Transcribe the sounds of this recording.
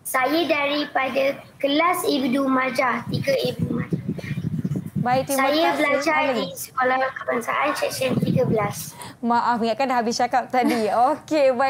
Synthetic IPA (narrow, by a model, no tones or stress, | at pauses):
sajədaɾipadəkəlasebidumad͡ʒat̪iɡəebumad͡ʒa | bait̪imaajəbəlad͡ʒalaɡisə̥kolahkəbaŋsa̰ʔant͡ʃɛksiənt̪iɡəbəlasmaʔaməŋaʔkanɦabisʃakap̚t̪adiokeba